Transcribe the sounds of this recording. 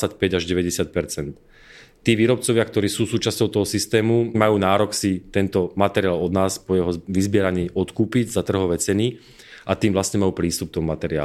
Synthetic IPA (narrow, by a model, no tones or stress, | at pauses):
acpɛɟaʒɟɛʋɛɟɛsɪat̪̚pɛɾt͡sɛnt̪ː | iːʋiːɾɔp̚t͡sɔʋɪakt̪ɔɾiːsuːsuːt͡ʃascɔʊt̪ɔɦɔsist̪ɛːmumajuːnaːɾɔksit̪ɛnt̪ɔmat̪ɛɾiaːlɔd̪naːspɔjɛɦɔʋizbɪɛɾaɲiːɔt̪kuːpiɟzat̪r̩ɦɔʋɛt͡sɛni | at̪iːmʋlast̪ɲɛmajuːpɾiːst̪upk̚t̪ɔmmat̪ɛɾɪa̰ː